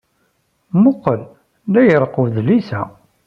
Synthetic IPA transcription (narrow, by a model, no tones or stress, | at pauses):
mʊqːəl | læjəɾˤquðlisæ